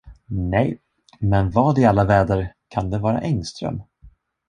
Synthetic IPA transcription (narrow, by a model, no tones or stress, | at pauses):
nɛj | mɛnvɑːd̪ɪalːavɛːd̪əɾkʰand̪ɛvɑːɾa̰ʔɛŋst̪ɾœ̰m